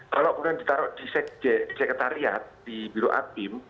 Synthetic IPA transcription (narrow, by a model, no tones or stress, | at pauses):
kalopunandit̪aɾɔʔdisɛk̚d̥ɛsɛkət̪aɾiat̪̚d̥ibiɾoʔa̰pɪm